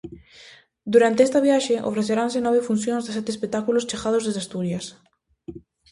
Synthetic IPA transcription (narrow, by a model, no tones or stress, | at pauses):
d̪uɾant̪eest̪aβjaʃeʔo̰fɾeθeɾansenɔβ̞efun̟θjõnzðesɛt̪espek̚t̪ːakulost͡ʃexaðozðezast̪uɾjas